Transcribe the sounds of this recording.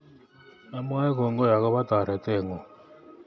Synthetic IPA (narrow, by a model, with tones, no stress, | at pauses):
na˦m˦a˦ɛ˦kɔ˨ŋɡɔ˦ja˨ɣɔ˦βa˦t̪a˨ɾɛ˨tɛ˦˨ŋɡɔ˨